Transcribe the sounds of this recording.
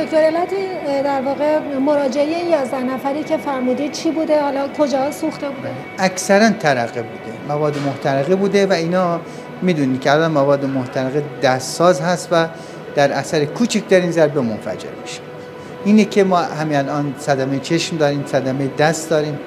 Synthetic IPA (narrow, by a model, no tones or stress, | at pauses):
okt̪oɾelæt̪ʰid̪æɾvɒːɣemoɾɒːd͡ʒeejejɒːzd̪æhnæfæɾiːcʰe̞fæɾmuːd̪iːd̪̥̚t͡ʃʰiːbuːd̪ehɒlɒkʰod͡ʒɒːhsuxt̪ebuːd̪e | ʔæksæɾænt̪ʰæɾæɣebuːd̪̥emævɒːd̪ːemoht̪ʰæɾeɣibuːd̪evæiːnɒː | miːd̪uːniːd̪̚kʰʲeælɒːnmævɒːd̪ːemoht̪ʰæɾeɣid̪æst̪sɒːzɦæst̪væ | d̪̥æɾæsæɾekʰuːt͡ʃʰicd̪æɾinzæɾbemonfæ̰d͡ʒḛɾmiʃe̥ | iːnekʰemɒːhæmiælɒːnsæd̪æmejet͡ʃʰeʃmd̪ɒːɾiːmsæd̪æmejed̪æst̪d̪ɒːɾiːm